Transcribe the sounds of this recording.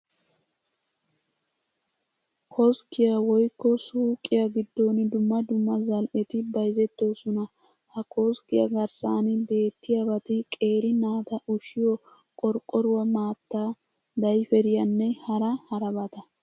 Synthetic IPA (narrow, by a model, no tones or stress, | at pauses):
kʰɔskːɪjɐwɔjkːɔsuːkʼːɪjɐɡɪd̪ːoːnd̪ʊmːɐd̪ʊmːɐzɐlʔɛt̪ɪbɐjzɛt̪ːo̞ːsɔnɐ | hɐkʰoskɪjɐɡɐɾsaːnɪbe̞ːt̪ːɪjɐbɐt̪ɪkʼe̞ːɾɪnaːt̪ɐʔʊʃɪjɔ | kʼɔɾkʼːɔɾʊwɐmaːt̪ːaː | d̪ɐjfɛɾɪjɐnːɛhɐɾɐhɐɾɐbɐt̪ɐ